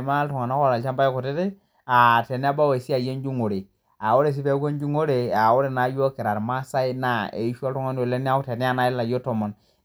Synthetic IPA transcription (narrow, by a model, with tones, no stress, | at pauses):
ma˦tɔ˨ŋa˨na˦ko˦˨la˨lt͡ʃa˦mba˦jku˨te˦te˦ | a˨te˨ni˦a˦ba˦we˨si˦a˨je˦nd͡ʒu˦ŋo˨ɾe˨ | a˨wo˦ɾe˨s̬i˦pe˦ke˦nd͡ʒu˦ŋo˦ɾe˨a˨wo˦ɾe˨na˨˦jo˦ki˨ɾa˨ɾma˦sa˦i˦na˦˨ḛ˨i˦ʃo˦ltu˦ŋa˦n˦o˨le˦ni˦a˦te˨ni˦a˦na˦la˨jo˦to˨mɔ˨n